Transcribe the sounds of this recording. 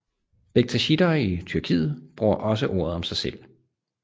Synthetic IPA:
b̥eɡ̥̚t͡sʰæɕid̥ɐːit͡sʰyɐkʰḭːð̞̩ˠb̥ʁuɐʔɒ̽s̬əʔo̝ːɐ̰ð̞ˠɒ̽msɑ̈ɪsel̰

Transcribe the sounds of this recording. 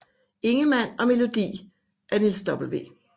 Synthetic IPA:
e̝ŋəmæn̰ɒ̽me̝lo̝d̥ḭː | ʔæɐnilsd̥ɒ̽b̥l̩ʋe̝̰ː

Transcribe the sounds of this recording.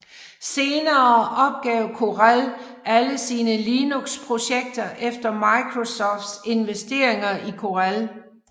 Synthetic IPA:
se̝ːnɐːɒ̽b̥̚ɡ̥ɛʊ̰kʰo̝ʁæl | ʔæləsiːnəliːnuɡ̥spʰʁo̝ɕeɡ̥̚d̥ɐʔefd̥ɐmɑ̈ɪkʰʁo̝sɒ̰ːfd̥se̝nʋesd̥e̝̰ɐ̰e̝ŋɐʔikʰo̝ʁæl

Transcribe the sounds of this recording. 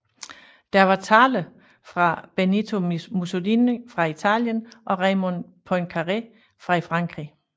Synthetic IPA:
d̥æɐʋɑ̈t͡sʰɑ̈ːlə | fʁɑ̈b̥e̝nit͡sʰo̝muso̝liːnəfʁɑ̈it͡sʰɛ̰ljənʔɒ̽ʁɛmonpʰɒnkʰɑʁe | fʁɑ̈ifʁɑ̈ŋ̰ɡ̥ʁi

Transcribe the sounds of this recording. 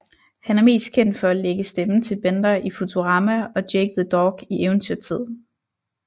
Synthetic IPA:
hænæɐme̝̰ːsd̥̚kʰen̰d̥fɒ̽æleɡ̥əsd̥emət͡sʰe̝lb̥end̥ɐʔifut͡sʰo̝ʁɑ̈mæɒ̽d̥jeɡ̥əðˠəd̥ɒːɡ̥iʔeʊən̩t͡sʰyɐt͡sʰið̰ˠ

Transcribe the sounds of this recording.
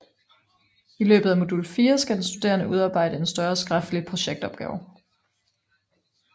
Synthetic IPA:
ilø̰ːb̥ð̩ˠæmo̝d̥ulfiːɐsɡ̥æd̥ensd̥ud̥e̝̰ːɐnəʔuð̞ˠɑ̈ːb̥ɑ̈ɪ̰dəe̝nsd̥ɶɐsɡ̥ʁafd̥əlipʰʁo̝ɕeɡ̥d̥ɒ̽b̥ɡ̥ɛ̰ːʊ

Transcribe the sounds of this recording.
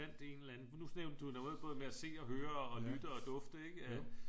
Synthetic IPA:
æn̰d̥ee̝ːnelæn̩nusneʊnəd̥ud̥æe̝ð̰ˠb̥ʰɔ̽ðˠmeæse̝̰ːɒ̽ɦøːɐ̽ːlyd̥əɒ̽d̥ɔ̽fd̥əe̝ɡ̥əæ

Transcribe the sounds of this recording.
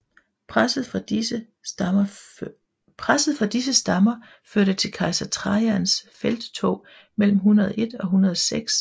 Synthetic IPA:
pʰð̩ˠ | pʰʁasð̞̩ˠfɒ̽d̥is̬əsd̥ɑmɐ | føɐ̰ɾ̥ət͡sʰe̝lkʰɑ̈ɪsɐt͡sʰʁɑænsfel̰d̥t͡sʰo̰ː | mel̰m̩ɦunɐðˠe̝d̥ɒ̽ɦunɐð̞ˠɐseɡ̥s

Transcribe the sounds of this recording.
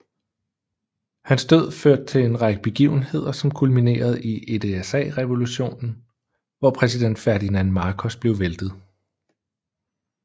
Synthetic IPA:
hænsd̥øð̞̰ˠføɐ̰d̥̚t͡sʰe̝le̝nʁɑ̈ɡ̥əb̥e̝ɡ̥ḭʊ̰n̩he̝ð̞̰ˠɐsɒ̽mkʰulmine̝̰ːɐð̞̩ˠiʔe̝d̥eesɛ̰ːʁɛʋo̝luɕo̝̰ːnn̩ | ʋɒpʰʁɛsid̥en̰d̥fæɐd̥inænmɑ̈ːkʰɒsb̥le̝ʊʋeld̥ð̩ˠ

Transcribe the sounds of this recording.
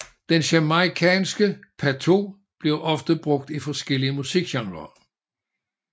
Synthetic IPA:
d̥enɕæmɑikʰɛ̰ːnsɡ̥əpʰæt͡sʰo̝̰ː | b̥le̝ʊʔɒ̽fd̥əb̥ʁɔ̽ɡ̥̚d̥ifɒ̽sɡ̥el̰iəmusiɡ̥ɕɑ̈ŋlɐ

